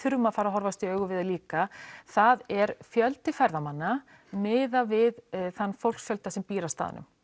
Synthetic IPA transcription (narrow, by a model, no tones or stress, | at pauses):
ʏɾmafaːɾaɦɔɾvast̪iœːɣʏvɪðaliːkaθaðɛɾfjœlt̪ɪfajɾðamanːa | nɪːðavɪðθanːfowlksfjœlt̪asɛmpiːɾast̪a̰ːð̰nʏ̰m